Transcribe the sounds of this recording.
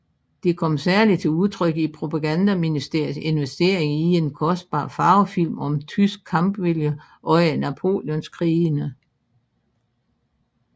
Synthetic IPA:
d̥e̝kʰɒ̽m̰sæɐlid̥̚t͡sʰe̝uð̞ˠt͡sʰʁœɡ̥əipʰʁo̝pʰɑɡ̥ænd̥æminisd̥e̝ɐ̰ie̝nʋesd̥e̝ɐ̰e̝ŋie̝nkʰɒ̽sd̥̚b̥ɑ̰̈ːfɑ̈ːʊfil̰mɒ̽mt͡sʰysɡ̥̚kʰːɑ̈mb̥ʋe̝ljə | ʔɒ̽næpʰo̝̰ːljɔ̽nskʰʁiːnə

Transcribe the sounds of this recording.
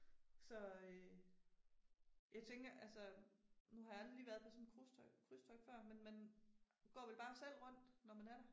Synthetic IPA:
sɒ̽ø | jɑ̈ɪt͡sʰeŋɡ̥ɐʔælsənuhɑ̈jɑæld̥iliːʋæɐðˠpʰɒ̽sɔ̽ne̥kʰʁust͡sʰɒɪɡ̥kʰʁysd̥ʰɒ̽ɪɡ̥fɶɐ̰menmenɡ̥ɒ̰ːʋelb̥ɑ̈ːsel̰ʁɔ̽n̰d̥nɒmænæɐɾ̥ɑ

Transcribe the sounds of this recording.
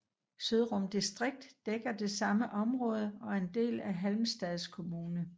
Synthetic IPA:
søð̞ˠʁɔmd̥isd̥ʁeɡ̥̚d̥ːeɡ̥ɐd̥e̝sɑ̈məʔɒ̽mʁɔ̽ːð̞ˠəɒ̽ɐe̝nd̥e̝̰ːlæɦælmsd̥ɛðˠskʰo̝muːnə

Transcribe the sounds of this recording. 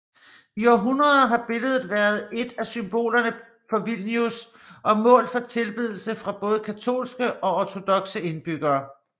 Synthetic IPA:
iɒːɦunʁɐðˠɦɑ̈b̥e̝ləð̞̩ˠʋæːɐð̞ˠe̝d̥æsymb̥o̝̰ːlɐnə | fɒ̽ʋilnjus | ʔɒ̽mɔ̰̽ːlfɒ̽t͡sʰe̝lb̥ið̞ˠl̩səfʁɑ̈b̥ɔ̽ːð̩ˠəkʰæt͡sʰo̝̰ːlsɡ̥əʔɒ̽ɒt͡sʰo̝d̥ɒ̽ɡ̥səe̝nb̥yɡ̥ɐː

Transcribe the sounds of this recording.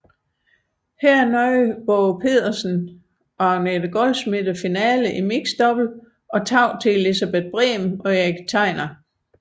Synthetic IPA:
hɛɐ̰æɐnɒɪb̥ɔpʰe̝ð̰ˠɐsn̩ | ʔɒnedəɡ̥ɒlsmid̥əfinɛːləʔimiɡ̥sd̥ɒ̽b̥l̩ | ʔɒ̽t͡sʰɑ̈ʊ̰t͡sʰe̝lisæb̥ed̥̚b̥ʁɛ̰ːmɒ̽jeɡ̥t͡sʰɑ̈ɪ̰nɐ

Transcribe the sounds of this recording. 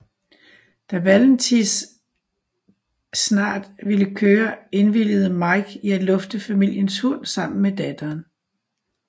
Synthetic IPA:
d̥æʋæln̩t͡sʰis | snɑ̰̈ːd̥ʋiləkʰøːɐe̝nʋil̰əð̞̩ˠəmɑ̈ɪɡ̥iæ̥lɔ̽fd̥əfæmil̰jənshɔn̰sɑ̈m̰n̩med̥æd̥ɐːn

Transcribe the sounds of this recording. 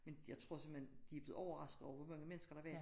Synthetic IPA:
menjɑ̈ɪt͡sʰʁo̝ɐ̰se̝m̰end̥iæb̥leð̩ˠɒʊɐʁɑ̈sɡ̥ð̩ˠɒʊʋɒmɑ̈ŋəmenəsɡ̥ɐɾ̥ɑʋæɐ̰

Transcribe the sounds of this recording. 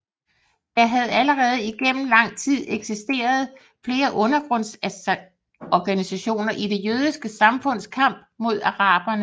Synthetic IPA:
jɑ̈ɦæð̞̩ˠæləʁɛːð̞̩ˠəiɡ̥em̰m̩lɑ̈ŋ̰t͡sʰið̞̰ˠeɡ̥sisd̥e̝̰ːɐð̞ˠ | fle̝ːɐʔɔ̽nɐɡ̥ʁɔ̽n̰s | ɒɡ̥ænisæɕo̝̰ːnɐʔid̥e̝jøːð̞ˠisɡ̥əsɑ̈mfɔ̽n̰skʰɑ̈m̰b̥̚mo̝ð̞ˠɑ̈ʁɑ̈ːb̥ɐnə

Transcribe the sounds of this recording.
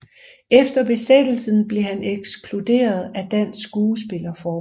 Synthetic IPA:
efd̥ɐb̥e̝sed̥l̩sən̩b̥le̝hæneɡ̥skʰlude̝̰ːɐð̞̩ˠæd̥æn̰sːɡ̥uːsb̥e̝lɐfɒː

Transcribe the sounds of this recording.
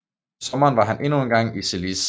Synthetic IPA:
sɒ̽mɐːnʋɑ̈ɦænʔe̝nunɡ̥ɑ̈ŋ̰iselis

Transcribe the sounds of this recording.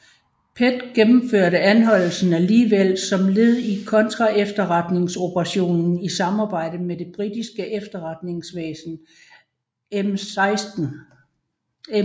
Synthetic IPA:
pʰed̥ɡ̥emm̩føɐ̰ɾəænɦɒ̽l̰l̩sn̩æliːʋel̰sɒ̽mle̝ð̞ˠikʰɒ̽nt͡sʰʁɑ̈efd̥ɐʁɑd̥ne̝ŋso̝pʰəʁɑ̈ɕo̝̰ːnn̩isɑ̈mɑ̈ːb̥ɑ̈ɪ̰ɾəmed̥e̝b̥ʁid̥isɡ̥əʔefd̥ɐʁɑd̥ne̝ŋsʋḛːsn̩ | emɪsd̥

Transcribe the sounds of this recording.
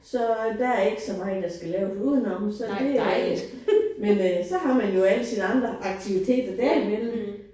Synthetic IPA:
sɒ̽d̥ææɐe̝ɡ̥ə̥sɒmɑ̈ːəd̥ɑ̈sɡ̥ælɛːʊsuð̞̰ˠənɒmsɒ̽d̥e̝ | mensɒ̽ɦɑ̈mænjo̝æləsinɑ̈nd̥ʁɐʔɑ̈ɡ̥̚t͡sʰiʋit͡sʰe̝̰ːd̥ɐd̥æɐimenm̩

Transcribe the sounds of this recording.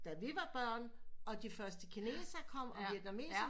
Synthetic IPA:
d̥æʋiʋɑ̈b̥ɶɐ̰nɒ̽d̥ifɶɐsd̥əkʰinḛːsɐkʰɒ̽m̰ɒ̽ʋiɐɡ̥ðɐme̝̰ːs

